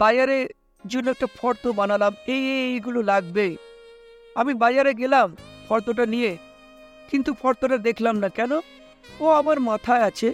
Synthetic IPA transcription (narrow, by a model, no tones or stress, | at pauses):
b̥ajaɾeɾ | d͡ʑonːoɛk̚ʈafɔɾt̪obanalamejeejɡulolaɡbe | amibajaɾeɡelamfʰɔɾt̪oʈanije | kint̪ufʰɔɾt̪oʈad̪ekʰlamnakɛno | oamaɾmat̪ʰaeat͡ɕʰe